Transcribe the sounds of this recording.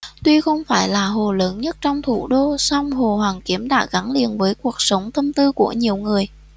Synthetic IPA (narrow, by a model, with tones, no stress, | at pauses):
t̪wi˧xə˧wŋ͡mfaː˧˩jlaː˨˩ɦo˨˩ləː˨˦nɲə˦˥t̚t͡ɕɔ˧wŋ͡mt̪ʰṵ˧˩ɗo˧sɔ˧wŋ͡mɦo˨˩hwaː˨˩nki˨˦əmɗa̰ː˧˥ɣa˨˦nlḭ˨ənvəː˨˦jku˨˩ək̚sə˨˦wŋ͡mt̪ə˧mt̪ɨ˧ku˧˩əɲi˨˩əwŋɨ˨˩əj